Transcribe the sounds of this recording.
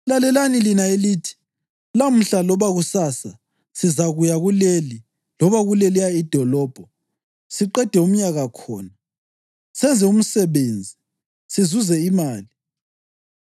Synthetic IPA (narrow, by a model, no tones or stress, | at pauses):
lalɛlanilinaeliːtʰi̥ | lam̩ɬalɔβaɣusasa | sizaɣujaɣuleli | lɔβaɣulɛlijaid̥ʱɔlɔːb̥ʱɔ | siǃɛd̥ʱɛum̩ɲaɣakʰɔ̰ːna | sɛnd͡zʱɛum̩sɛβend͡zʱi | sizuzɛimaːli